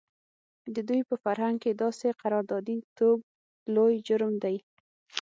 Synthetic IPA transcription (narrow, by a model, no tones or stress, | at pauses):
d̪əd̪ujpəfaɾɦaŋɡ̚ked̪ɑseqaɾɑɾd̪ɑd̪it̪ob̚ | lojd͡ʒʊɾmd̪aj